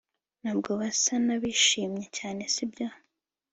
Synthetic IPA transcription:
naːb̚ɡoβasanaβiʃiːmɲecaːne̞sibjo

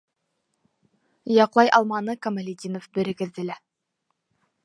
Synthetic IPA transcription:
jɑqlˠɑjʔɑlˠmɑnɤkɐmalʲid̪ʲinofbɘ̆ɾɘ̆ɡɘ̆ðd̪ɘ̆læ

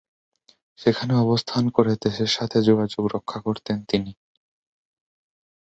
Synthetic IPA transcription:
ʃekʰaneɔbost̪ʰankoɾed̪eʃeɾʃat̪ʰed͡ʑoɡad͡ʑoɡɾokʰːakoɾt̪ent̪ini

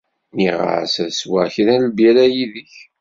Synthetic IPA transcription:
miʁə̰ʕsæðswaʕçðælbjælæjiðəç

